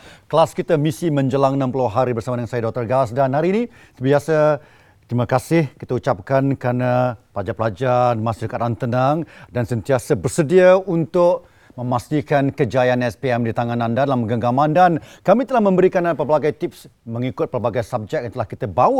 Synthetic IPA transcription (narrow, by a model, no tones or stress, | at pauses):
kəlaskit̪əmisimə̃ɲd͡ʒəlaŋnãmpuluɦaɾibərsamadəŋansajadɔk̚t̪ərɡasdanɦaɾiːni | səbiasa | t̪ɾimakasɪhkit̪əut͡ʃap̚kankɾanaplad͡ʒapəlad͡ʒarmast̪idəkat̪ant̪ənaŋdansənt̪iasəbərsədiaunt̪ʊʔ | məmast̪ikankəd͡ʒajanɛspiɛmdit̪aŋanãndadalaməɡəɡamãndankamĩt̪əlahmə̃mbəɾikanapərbaɡajt̪ip̚sməŋikʊt̪̚pərbaɡajsab̚d͡ʒɛk̚ant̪əlahkit̪əbaə